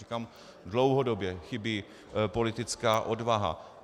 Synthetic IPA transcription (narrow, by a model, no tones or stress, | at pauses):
ikam | dlo̞wɦodobjɛxɪbiː | po̞lɪt̪ɪt͡skaːʔo̞dvaɦa̰